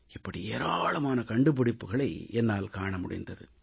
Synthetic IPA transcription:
ɪpːɐɽieːɾaːɭɐmaːnɐkɐɳɖɯp̬ɯɽɪpːɯɣɐɭɐɪɛnːaːlkaːɳɐmʊɽɪ̰nd̪ɐðɯ

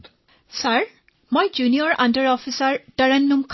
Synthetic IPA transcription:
saɹ | mojd͡ʒuniɔɹãndəɹɔfisaɹtəɹɛnːumkʰ

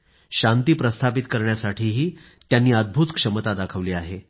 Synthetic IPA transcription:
ɕant̪iːpɾəst̪ʰapit̪kəɾɳjasaʈʰiːɦiː | t̪janːiːəd̪̚bʱuːt̪kʂəmət̪ad̪akʰəʋliːaɦe

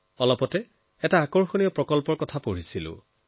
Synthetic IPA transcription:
ɔlɔpɔtɛ | ɛtaːkɔɹxonijɔpɹɔkɔlpɔɹkɔtʰapoɹisilʊ̰

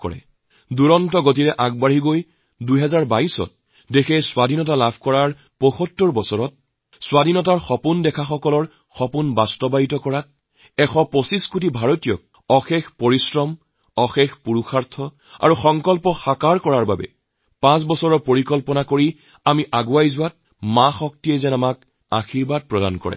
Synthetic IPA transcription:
kɔ̰ɹɛ̰ | duɹɔntɔɡotiɹɛʔaɡ̚baɹiɡoj | dujɦɛzaɹbaisɔ̰t̚ | dexʰɛswadʱinɔtalabʱkɔɹaɹ | poxɔtːɔɹbɔsɔɹɔt̚ | swadʱinɔtaɹxɔpundɛkʰaxɔkɔlɔɹ | xɔpunbastɔbajitɔkɔɹat̚ | ɛxɔposiskut̬ibʱaɹotijɔ̰k̚ | ɔxɛxpoɹisɹɔm | ɔxɛxpuɹuxaɹtʰɔ | a̰ɹuxɔŋkɔlpɔxakaɹkɔɹaɹbabɛ̰ | pãsbɔsɔɹɔpoɹikɔlpɔnakoɹi | amiʔaɡuajzʊwat̚ | mãxɔk̚tijɛzɛnamak | a̰xiɹbat̚pɹɔda̰nkɔ̰ɹɛ̰

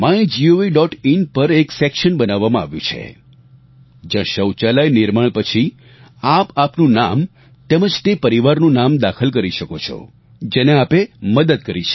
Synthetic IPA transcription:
mãẽd͡ʒioiɖɔʈinpəɾeksekʃənbənaʋːamãaʋjũt͡ʃʰḛ | d͡ʒjãʃəwt͡ʃalajnɪɾmaɭpət͡ʃʰi | apapnũnam | t̪emə̃d͡ʒt̪epəɾiʋaɾnũnamd̪akʰəlkəɾiʃəkot͡ʃʰɔ̰ | d͡ʒeneapeməd̪əd̪̚kəɾit͡ʃʰe

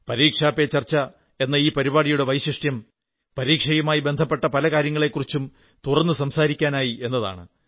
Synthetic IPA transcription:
pɐɾiːkʂaːpːet͡ɕɐrt͡ɕːɐ | e̞nːɐiːpɐɾibaːɽijuɽe̞ʋɐjɕiʂʈjɐm | pɐɾiːkʂɐjumaːjibe̞nd̪ʱɐpːeʈːɐpɐlɐkaːɾjɐŋːɐɭe̞kːurit͡ɕːum | t̪urɐnːɨsɐmsaːɾikʲːaːnaːjiʔe̞nːɐða̰ːɳɨ̰

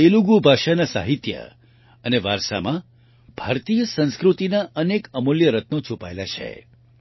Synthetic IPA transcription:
eluɡubʱaʃanasa̰ɦit̪jə̰ | əneʋaɾʃa̰mã | b̥ʱaɾt̪ijəsə̃nskɾut̪inaənekəmoljəɾət̪not͡ʃʰupaelat͡ʃʰḛ

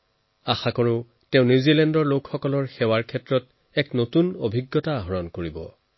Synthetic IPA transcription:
axakɔɹʊ | tɛʊ̃nuzilɛndɔɹlokxɔkɔlɔɹxɛwaɹkʰɛtɹɔt | ɛknotunobʱiɡːɔtaɦɔɹɔnkoɹibɔ̰

